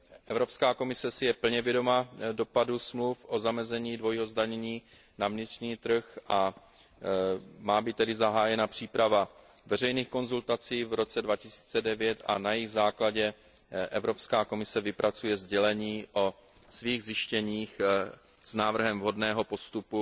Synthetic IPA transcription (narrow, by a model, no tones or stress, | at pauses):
ʔɛvɾo̞pskaːko̞mɪsɛsɪjɛpl̩ɲɛvjɛdo̞mado̞padusmlufʔozamɛzɛɲiːdvo̞jɦo̞zdaɲɛɲiː | navɲɪt̪r̥ɲiːt̪r̩xʔa | maːbit̪ːɛdɪzaɦaːjɛnapr̝̥iːpɾava | vɛrɛjniːxko̞nzult̪at͡siːvɾo̞t͡sɛdvacɪsi̥ːt͡sɛdɛvjɛt̪ʔa̰najɪɣzaːklaɟɛ | ʔɛvɾo̞pskaːko̞mɪsɛvɪpɾʔat͡sujɛzɟɛlɛɲiːʔo | sviːɣzɪʃcɛɲiːx | z̥naːvr̩ɦɛmvɦo̞dnɛːɦo̞po̞st̪upu